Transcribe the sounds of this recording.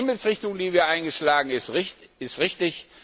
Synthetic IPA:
ɪml̩sʁɪçtʊŋdiːviːɐʔaɪnɡəʃlaːɡŋ̩ɪstɪɪstʁɪçtɪç

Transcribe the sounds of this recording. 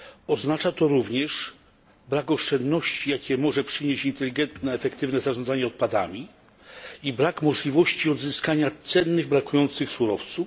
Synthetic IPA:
ɔznat͡ʂat̪ɔɾuvɲɛʂ | bɾakɔʂt͡ʂɛnd̪nɔɕt͡ɕijakʲɛmɔʐɛpʂɘɲeɕint̪ɛlʲiɡɛnt̪nɛːfɛkt̪ɘvnɛzaʐɔnd̪zaɲɛɔt̪̚pad̪a̰mʲi | ibɾakmɔʐlʲivɔɕt͡ɕiɔd̪zɘskaɲat̪sɛnːɘɣbɾakujɔnt̪sɘxsuɾɔft̪suf

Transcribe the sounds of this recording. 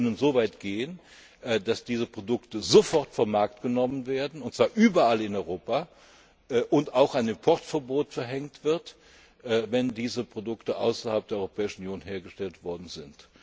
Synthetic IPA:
nənzoːvaɪtɡ̥eːən | ʔd̥asd̥iːzəpʁ̥odʊktəzofɔɐtfomːaɐk̚tɡ̥ənɔmənveːɐdn̩ʊntt͡sv̥aːɐʔyːbɐalɪnɔʏʁoːpa | ʔʔʊntaʊxaɪnɪmpʰɔʁtfɛɐboːtfɛɐɦɛŋtv̥ɪɐt | ʔɛːvɛndiːzəpʁ̥odʊktəʔa̰ʊsɐhalp̚d̥ːɐɔʁopʰɛːɪʃn̩ʊnjoːnɦeːɐɡəʃtɛltv̥ɔɐdn̩zɪnt

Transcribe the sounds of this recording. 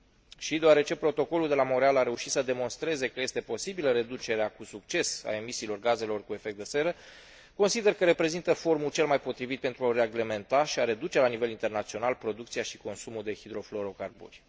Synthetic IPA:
ʃid̪oaɾe̞t͡ʃe̞pɾo̞t̪o̞ko̞luld̪e̞lamo̞ɾealaɾe̞uʃi̥t̪səd̪e̞mo̞nst̪ɾe̞ze̞kəje̞st̪e̞po̞sibiləɾe̞d̪ut͡ʃe̞ɾeakusuk̚t͡ʃe̞sa̰e̞misiːlo̞rɡaze̞lo̞rkue̞fek̚t̪d̪ese̞ɾə | ko̞nsid̪e̞rkəɾe̞pɾe̞zint̪əfo̞rmut͡ʃe̞lmajpo̞t̪ɾivit̪̚pent̪ɾuaoɾeaɡleme̞nt̪aʃiaɾe̞d̪ut͡ʃe̞lanive̞lint̪e̞rnat̪sio̞nalpɾo̞d̪ukt̪sijaʃi̥ko̞nsumuld̪e̞hid̪ɾo̞flo̞ɾo̞karbṵrʲ

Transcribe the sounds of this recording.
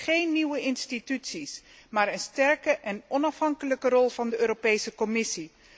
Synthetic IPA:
χejnːiwəɪnstitytsismaːɹənstɛɹkəʔɛnɔnɑfɦɑŋkələkərɔlˠvɑndəøːɾopejsəkɔmɪsi

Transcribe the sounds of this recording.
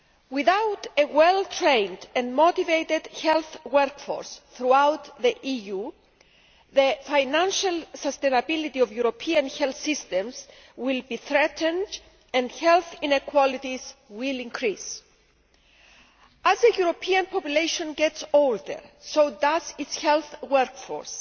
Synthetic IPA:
wiθawt̪ewɛlt̪ʰɾẽjndɛ̃ndmot̪ivejt̪ed̪̥hɛlθwɛɾkfo̰ɹsθɾuawt̪ðiʔiju | ðəfajnãnʃalsəst̪ejnɐbilit̪iovjuɾopʰiɐ̃nhɛlθsist̪ẽmz | wilbiθɾɛt̪ʰə̃nd | ɛ̃ndhɛlθĩnekwɔlit̪izwilĩŋkʰɾis | ɐzəjuɾopʰiɐ̃npʰopjulejʃõnɡɛtsold̪ə̰ɹsowd̪azitshɛlθwɛɾkfo̰ɹs

